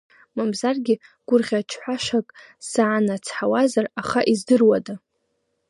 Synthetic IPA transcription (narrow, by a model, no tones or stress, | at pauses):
mamzarɡʲɪɡ̥ʷʊrʁʲat͡ʃʰħʷaʃakʼ | saʕːnat͡sʰħawazaraχaʔizdɨrwada